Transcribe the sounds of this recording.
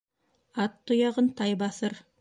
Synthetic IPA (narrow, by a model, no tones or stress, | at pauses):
ɑt̪ʰːʊjɑʁənt̪ʰɑjbɑsəɾ